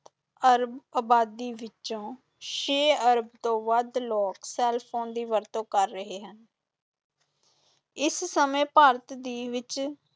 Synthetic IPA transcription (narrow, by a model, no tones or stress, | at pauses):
t̪ | əɾbəːbaːd̪iːʋɪt͡ʃõː | ʃeːəɾəbt̪õːʋəd̪lɔːksɛːlpʰoːnd̪iːʋəɾt̪õːkəɾːəɦeːɦən | ɪssəmẽːpaːɾət̪d̪iːʋɪt͡ʃ